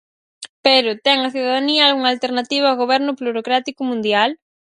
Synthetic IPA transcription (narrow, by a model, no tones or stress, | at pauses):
peɾʊt̪ɛŋɐθuðaðaniɐalɣuŋalt̪eɾnat̪iβ̞aawɣoβɛɾnʊpluɾokɾat̪ikʊmũnd̪jal